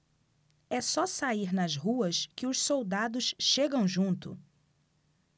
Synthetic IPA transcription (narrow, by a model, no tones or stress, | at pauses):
ɛsɔsaiɾnɐzɦuɐskɪʊʃsowd̪ad̪ʊsʃeɡɐ̃w̃ʒũnt̪ʊ̰